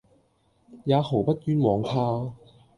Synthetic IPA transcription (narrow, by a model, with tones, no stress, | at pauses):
jaː˨˧ho˨˩wpɐ˥t̚kyː˥nwɔː˨˧ŋhʰaː˥